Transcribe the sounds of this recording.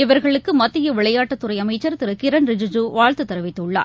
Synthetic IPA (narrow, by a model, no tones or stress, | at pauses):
ɪʋɐɾɣɐɭɯkːɯmɐt̪ːɪjɐʋɪɭɐjaːʈːɐt̪ːɯɾɐɪɐmɐɪt͡ʃːɐɾt̪ɪɾɯkɪɾɐnɾɪd͡ʒɪd͡ʒuːʋaːɻt̪ɯt̪ːɐɾɐʋɪt̪ːɯɭːa̰ːɾ